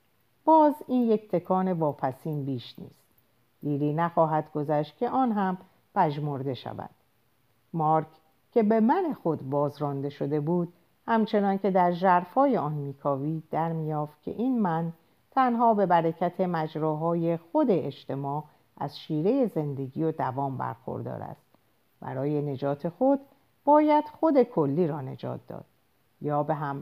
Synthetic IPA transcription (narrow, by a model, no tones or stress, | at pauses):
b̥ɒːziːnjekt̪ʰe̞kʰɒːne̞vɒːpʰæsiːnbiːʃnḭːst̪ | d̪̥iːɾiːnæxɒːɦæd̪ɡo̞zæːʃt̪̚kcʰe̞ʔɒːnɦæm | bæd͡ʒmoɾd̪e̞ʃæ̰væ̰d̪̥ | mɒːɾkʰ | cʰe̞be̞mæne̞xo̞d̪bɒːzɾɒːnd̪e̞ʃo̞d̪e̞buːd̪̥ | hæmt͡ʃʰe̞nɒːnce̞d̪æɾʒæɾfhɒːje̞ɒːnmiːkʰɒːviːd̪̥æɾmiːjɒːft̪̚cʰḛʔiːnmæn | t̪ʰænɦɒːbe̞bæɾecʰæt̪ʰe̞mæd͡ʒɾɔːɦɒːje̞xo̞d̪e̞eʃt̪ʰe̞mɒː | ʔæ̰zʃiːɾe̞je̞ze̞nd̪e̞ɟiːjod̪ævɒːmbæ̰ɾxo̰ɾd̪ɒ̰ːɾæ̰st̪ | bæ̰ɾɒːje̞ne̞d͡ʒɒːt̪ʰe̞xo̞d̪ | b̥ɒːjæd̪̥xo̞d̪e̞kʰo̞lːiːɾɒːne̞̰d͡ʒɒ̰ːt̪̚d̪ɒ̰ːd̪̥̚ | jɒːbe̞ɦæm